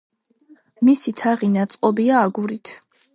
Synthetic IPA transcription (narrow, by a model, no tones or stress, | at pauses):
misit̪ʰaʁinat̪sʼqʼɔbiaːɡuɾit̪ʰ